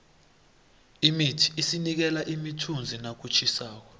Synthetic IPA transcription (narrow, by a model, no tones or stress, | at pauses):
imitʰi̥ːsinik̬ɛlaʔimitʰund͡zʱinak̬ut͡ʃʰisaːk̬ɔ